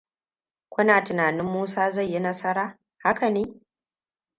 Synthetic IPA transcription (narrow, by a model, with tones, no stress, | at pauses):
kʷʊ˦naː˨tɪ˨naː˨nɪ˦mːuː˦saː˦za˦˨jːi˦nɐ˦sɐ˦ɾaː˦ | ha˦ka˨neː˦